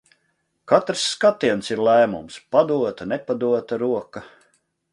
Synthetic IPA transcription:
kat̪ɾsːkat̪iɛnsiɾlˠæːmṵmspad̪uɔt̪ɐnɛpad̪uɔt̪aɾuɔkɐ

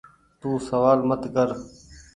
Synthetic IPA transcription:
t̪ũːsəʋaːlmət̪kəɾ

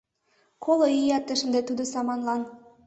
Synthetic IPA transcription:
kʰoloijɑt̪ːə̆ʃə̆nd̪et̪ud̪ŏsɑmɑnlɑn

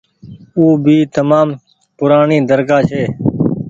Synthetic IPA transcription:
uːbʱiːt̪əmaːm | pʊɾaːɳĩːd̪əɾkaːt͡ʃʰeː

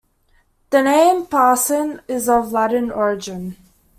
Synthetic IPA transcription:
ðənẽɪ̃mpʰaːˑsə̃nɪzəvlaɾənɔɹɪd͡ʒɪ̃n

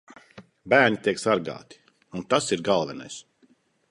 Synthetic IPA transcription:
bæːɾɲʲit̪iɛksaɾɡa̰ːt̪i̥ | unt̪asiɾɡalˠvɛna̰js

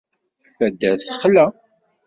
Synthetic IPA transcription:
fæd̪ːæθə̥χlæ

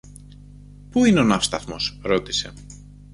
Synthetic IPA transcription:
puineo̞nɐfst̪ɐθmo̞sɾo̞t̪ise̞̰

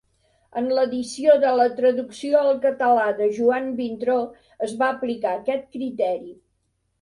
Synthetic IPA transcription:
ənləðisioðələt̪ɾəðuksioəlˠkət̪əlaðəʒuambint̪ɾo | əzβaəplikaəkɛt̪̚kɾit̪ɛɾi

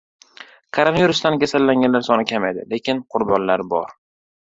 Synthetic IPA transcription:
kʰoɾonaviɾʊst̪ankʲasalːaŋɡʲanlaɾsɒnɪkʲʰamajd̪ɪ̰le̞kʲɪnqʰʊɾbɒnlaɾbɒ̰ɾ

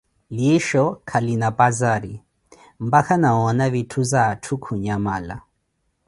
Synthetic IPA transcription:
liʃɔkʰalinapazaɾi | mbakʰanaɔnaβitʰuzatʰukʰuɲamala̰

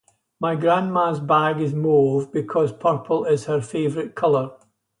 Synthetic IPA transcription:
maɪɡɹãnmazbaɡɪzmovbɪkʰɔz̥pʰɜ˞pʰəl̩ˠɪz̥hə˞fevəɹɪʔkʰʌlˠə˞

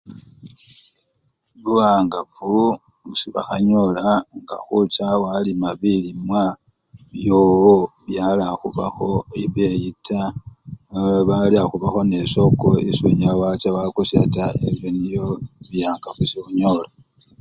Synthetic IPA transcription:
luaːŋɡafu | siβa̰xaɲo̞laŋɡa̰xut͡ʃawalimaβilimwa | βjo̞ːwoβjalaxuβa̰xo̞iβje̞jitʰa | aβaliaxuβaxo̞ne̞so̞koisuɲawat͡ʃawakusjatae̞βjonijo̞βijaːŋɡafusixuɲo̞la

